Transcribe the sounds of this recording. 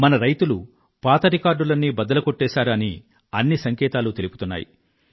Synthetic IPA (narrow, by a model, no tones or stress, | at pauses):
mɐnɐɾɐjt̪ulu | paːt̪ɐɾikaːɾɖulɐnːibɐd̪ɐlɐkoʈːɛːsaːɾni | ɐnːisɐŋkɛːt̪aːlut̪e̞lupu̥t̪unːa̰ːjḭ